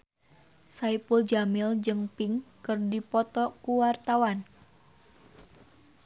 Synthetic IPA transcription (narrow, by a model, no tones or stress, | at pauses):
saipuld͡ʒamɪld͡ʒɨŋpiŋkɨrdipɔt̪ɔkuwart̪awan